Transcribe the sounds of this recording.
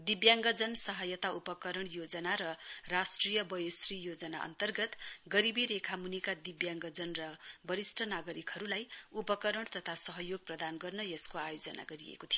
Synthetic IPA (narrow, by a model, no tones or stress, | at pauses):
d̪ibjaŋɡʌd͡zʌnsʌɦʌjʌt̪aupʌkʌɾʌɳjod͡zʌnaɾʌrasʈrijʌbʌjosrijod͡zʌna̰ʔʌ̰nt̪ʌrɡʌt̪ɡʌɾibiɾekʰamunikad̪ibjaŋɡʌd͡zʌnrʌbʌɾisʈʰʌnaɡʌɾikhʌɾulajupʌkʌɾʌɽ̃t̪ʌt̪ʰasʌɦʌjoɡ̚prʌd̪anɡʌrnʌjʌskoajod͡zʌna̰ɡʌɾijḛkot̪ʰijo